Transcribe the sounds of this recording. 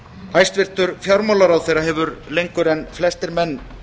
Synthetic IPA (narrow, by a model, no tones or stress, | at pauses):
ajst̪vɪr̥t̪ʏɾfjawɾmawlaɾawθejɾaɦɛːvʏɾlejŋkʏɾɛnːflɛst̪ɪɾmɛnː